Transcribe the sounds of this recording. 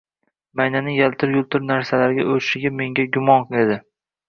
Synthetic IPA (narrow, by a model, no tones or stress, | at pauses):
majnanɪjalt̪ʰɪɾjʊlˠt̪ʰɪɾnaɾsalaɾɡʲaʔɵɾɪʃɪɡʲame̞ŋɡʲaɡʲʊmɒnqed̪ɪ